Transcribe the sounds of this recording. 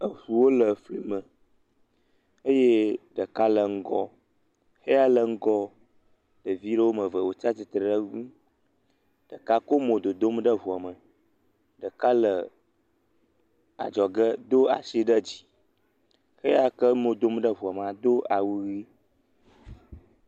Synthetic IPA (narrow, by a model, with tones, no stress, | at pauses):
ə˨ɸu˨wo˦lə˨fli˨mə˨ | ə˦je˦ɖə˨ka˦lə˨ŋ̩˦ɡɔ˦ | xe˦a˦lə˦ŋ̩˦ɡɔ˦ | ɖ̥ə˨vi˦ɖə˦wo˦mə̃˨və˨wo˨t͡ʃa˦ti˨t̪ɾə˨ɖə˦ɡũ˦ | ɖ̥ə˨ka˦ko˦mõ˨d̪o˨d̪o˦m˦ɖə˦vu˨a˨mə˨ | ɖə˨ka˦lə˨ | a̰˨d͡ʒɔ˨ɡə˦d̪o˦a̰˨si˦ɖə˦d͡ʑi̥˨ | xe˦a˦kə˦mõ˨d̪o˦mɖə˦vu˨a˨m˨a˨d̪o˦a˨wu˦ɣi˦